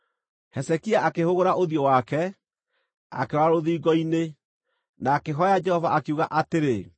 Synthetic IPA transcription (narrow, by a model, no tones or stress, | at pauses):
hɛsɛkiaakehoɣoɾaʔoðjɔwakɛ | a̰keɾaɾoðiːɣɔine | naːkeɦɔjad͡ʒɛhɔvaʔakeuɣaʔateɾe